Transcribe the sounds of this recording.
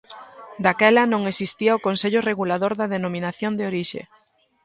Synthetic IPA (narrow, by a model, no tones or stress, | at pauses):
d̪akɛlɐnõŋesist̪iɐʊkonseʎʊreɣulaðoɾðɐðenomĩnaθjond̪eoɾiʃḛ